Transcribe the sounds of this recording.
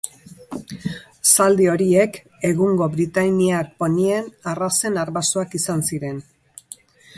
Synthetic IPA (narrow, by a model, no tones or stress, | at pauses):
sald̪io̞ɾie̞k | e̞ɣuŋɡo̞βɾit̪ajniak̚ponie̞narase̞naɾβasoakisansiɾe̞n